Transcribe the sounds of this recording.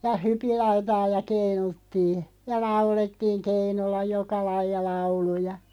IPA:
jɑ hypilːɑutɑː jɑ keinutːiː jɑ lɑuletːiːŋ̆ keinulːɑ jokɑ lɑijˑɑ lɑulujɑ

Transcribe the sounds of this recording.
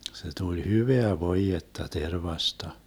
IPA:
se tulʲ hyʋeæ ʋoijetːɑ terʋɑstɑ

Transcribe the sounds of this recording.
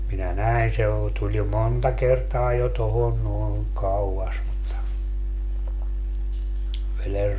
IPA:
minæ næin se o tulʲ jo montɑ kertɑː jo tohon noen kɑuɑs mutːɑ ʋeler

